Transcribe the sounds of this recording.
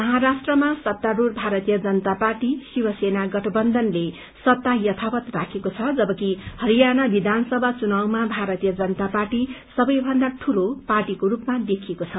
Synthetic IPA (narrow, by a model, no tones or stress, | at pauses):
mʌɦaɾasʈrʌmasʌt̪ːaɾurbʱaɾʌt̪ijʌd͡zʌnʌt̪aparʈisiwʌsenaɡʌʈʰʌbʌnd̪ʱʌnle | sʌt̪ːajʌt̪ʰawʌt̪rakʰekot͡sʰʌd͡zʌbʌkihʌɾijanabid̪ʱansʌbʱat͡sunawmabʱaɾʌt̪ijʌd͡zʌnʌt̪aparʈisʌbʌjbʱʌnd̪aʈʰuloparʈikoɾupmad̪ekʰijekot͡sʰʌ